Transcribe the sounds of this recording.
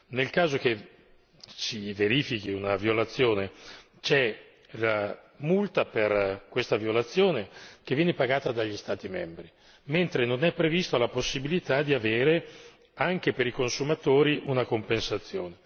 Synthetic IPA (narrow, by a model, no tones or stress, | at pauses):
nelkaːzok̟e | t͡ʃiveɾiːfikiunavjolat̪sːjoːne | t͡ʃɛ | la | mult̪aperkwest̪avjiolat̪sːjoːnek̟evːjɛːnepaɡaːt̪ad̪aʎːist̪aːt̪imɛmbɾi | ment̪ɾenonɛpːɾevist̪olaposːibilit̪ad̪iaveːɾe | aŋk̟epeɾikonsumat̪oːɾiʔunakompensat̪sːjoːne